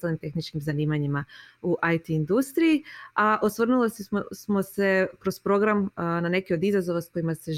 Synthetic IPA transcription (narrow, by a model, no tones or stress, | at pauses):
t̪alnimt̪e̞xnit͡ʃkimzaniːmaɲimauʔajt̪iːnd̪ust̪ɾijiaʔo̞sʋr̩nulossmo̞se̞kɾo̞spɾo̞ɡɾamnane̞kio̞d̪izazo̞ʋasko̞jimase̞